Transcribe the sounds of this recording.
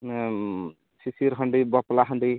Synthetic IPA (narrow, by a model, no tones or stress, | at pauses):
sisiɾɦəɳɖibɔplaɦəɳɖi